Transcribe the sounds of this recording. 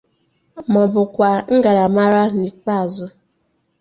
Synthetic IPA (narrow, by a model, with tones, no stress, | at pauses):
mɔ˨bʊ˨kʷa˨ŋ̩˦ɡa˨ɾa˨ma˦ɾa˦ni˨k͡pa˨zʊ˦